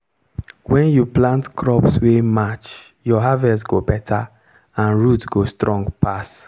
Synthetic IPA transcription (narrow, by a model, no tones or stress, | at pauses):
wɛ̃njuplãntkɹɔpswemat͡ʃ | jɔɦavɛtɡobɛtʰa | ãnɹutɡostɹɔ̃ŋɡpas